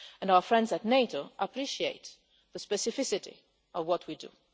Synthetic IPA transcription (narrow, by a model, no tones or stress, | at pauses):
ɛ̃naʊə˞fɹɛ̃ndzɨtneɪtoʊʔəpʰɹiʃieɪt̪ | ðəspɛsɪfɪsɪɾḭ | ɔvwʌt̚ʰwidṵ